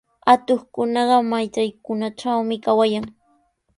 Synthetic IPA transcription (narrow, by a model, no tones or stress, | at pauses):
at̪oχkʊnɑɢɑmajt͡sajkʊnaʈ͡ʂawmɪkawajaŋ